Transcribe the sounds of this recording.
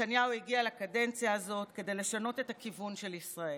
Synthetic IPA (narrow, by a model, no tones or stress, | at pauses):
anjauiɡialakade̞nt͡sjaːzo̞tke̞dejle̞ʃano̞te̞takivunʃelisʁae